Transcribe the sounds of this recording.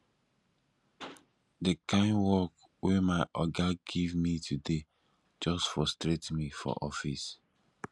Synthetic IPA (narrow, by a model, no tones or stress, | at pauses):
dekãɪ̃nwɔk | wemaɪʔɔɡaɡivmitʰude | d͡ʒɔstfɹɔstɹetmifɔ̰ʔɔfis